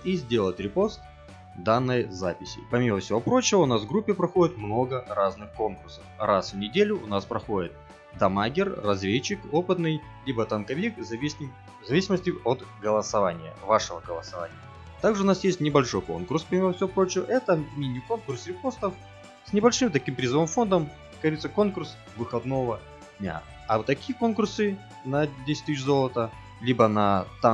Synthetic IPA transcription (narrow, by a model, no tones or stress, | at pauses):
izʲdʲe̞lˠətʲɾʲɪpo̞st̪ | d̪anːɨjzapʲɪsʲɪ̰pɐmʲiməfsʲɪvo̞pɾo̞t͡ɕɪvəʊnasvɡɾupʲːɪpɾɐxo̞dʲɪt̪mno̞ɡəraznɨxko̞nkʊrsə̥frasvnʲɪdʲelʲʊʔːnaspɾɐxo̞dʲɪt̪̚ | d̪ɐmaɡʲɪrːɐzvʲet͡ɕːɪko̞pɨt̪nɨj | lʲibət̪ɐnkɐvʲik | zɐvʲisʲɪməsʲtʲɪot̪ɡəlˠəsɐvanʲɪjə̰vaʂɨvəɡəlˠəsɐva̰nʲɪjə | t̪aɡʐɨʊnasjesʲtʲnʲɪbɐlʲʂo̞jko̞̰nkʊrspɾʲɪmʲeəfsʲopɾo̞t͡ɕɪjəʔɛt̪əmʲinʲɪko̞nkʊrsɾʲɪpost̪əf | sʲnʲɪbɐlʲʂɨmt̪ɐkʲimpɾʲɪzɨvɨmfo̞nd̪əm | kɐɾʲit̪səko̞nkʊrs | vɨxɐd̪no̞və | d̪ʲnʲa̰ | ɐt̪ɐkʲijəko̞nkʊrsɨ | nɐdʲesʲɪ̥tʲt̪ɨɕzo̞lˠət̪ə | lʲibənɐt̪a